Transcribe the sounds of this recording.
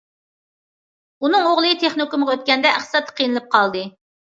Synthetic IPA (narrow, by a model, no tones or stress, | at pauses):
unɨŋoʁlˠɨt̪ʰeχnokumʁɑøt̪̚kʲɛnd̪ɛʔæχsɑt̪ʰːə̥qʰijnɨlˠɨp̚qʰɑlˠd̪ɨ